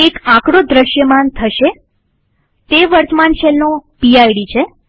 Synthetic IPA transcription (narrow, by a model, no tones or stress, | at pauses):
ekãkɽod̪ɾəʃjəmant̪ʰəʃe | t̪eʋəɾt̪əmanʃɛlnopiajɽit͡ʃʰe